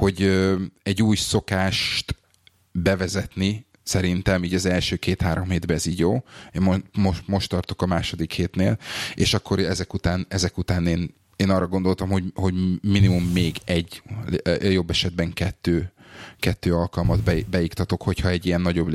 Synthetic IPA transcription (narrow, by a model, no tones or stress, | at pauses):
ho̞ɟøɛɟːuːjso̞kaːʃt̪ | bɛvɛzɛt̪ni | sɛɾint̪ɛmiːɟɒzɛlʃøːkeːt̪haːɾo̞mheːd̪bɛːziːɟjoːomomo̞ʃt̪ːɒrt̪o̞kɒmaːʃo̞d̪ikheːt̪neːleːʃɒkʰːo̞ɾɛzɛkut̪aːnɛzɛkut̪aːneːn | eːnɒrːɒɡo̞nd̪o̞lt̪ɒmho̞ɟho̞ɟminimumːeːɡɛɟ | jo̞bːɛʃɛd̪̚bɛŋkɛt̪ːøːkɛt̪ːøːɒlkɒlmɒd̪bbɛjikt̪ɒt̪o̞kho̞chɒɛɟːijɛnːɒɟo̞b